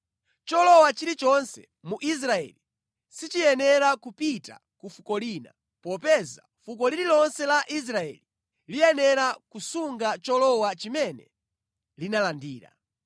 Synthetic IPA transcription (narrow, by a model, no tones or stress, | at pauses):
t͡ʃɔlɔwat͡ʃiɾit͡ʃɔnsɛ̰ | muʔis̬ɾaɛ̰li | sit͡ʃijɛnɛɾakupita̰ | kufukɔliːna̰ | pɔpɛza̰fukɔliɾilɔnsɛlaʔis̬ɾaɛ̰li | lijɛnɛɾakusuŋɡat͡ʃɔlɔwat͡ʃimɛnɛ̰ | linalandiːɾa̰